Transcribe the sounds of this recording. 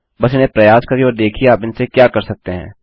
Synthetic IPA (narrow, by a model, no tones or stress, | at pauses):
bɐs̬ɪnẽpɾɐjaːskɐɾioːɾd̪eːkʰiaːpɪnsekjaːkɐɾsɐk̚t̪eɦɛ̰̃ː